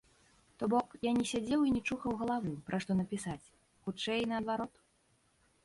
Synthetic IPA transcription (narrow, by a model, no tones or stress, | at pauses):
t̪ɔbɔkjanʲɛsʲad͡zʲɛwinʲɛt͡ʂuxɐwɣɐlˠavɨpɾʔaʂt̪ɔnɐpʲisat͡sʲ | xut͡ʂɛjnɐːd̪vaɾɔt̪